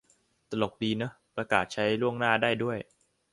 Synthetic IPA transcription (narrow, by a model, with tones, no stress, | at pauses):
t̪a˧lo˨˩k̚diː˧nɯ˦˥ | pɾaː˧kaː˨˩t̪̚t͡ɕʰa˦˥jlu˥˩əŋnaː˥˩daː˥˩jdu˥˩əj